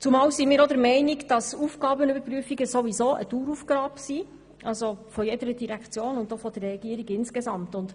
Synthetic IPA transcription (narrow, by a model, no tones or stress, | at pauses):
t͡sumɑːwsimɪːɾɔd̪əɾmɛɪnikd̥ɑsuːfɡ̥ɑːbənybəɾpɾyəfiɡəsoʋizoːʔə̰tuːɾufɡ̥ɾɑːpsi | ʔɑlzofɔjɛdəɾəd̥iɾækt͡sjoːnʊndofɔd̥ərːɛɡ̥iːɾiɡɪnskɛzɑmtʊnd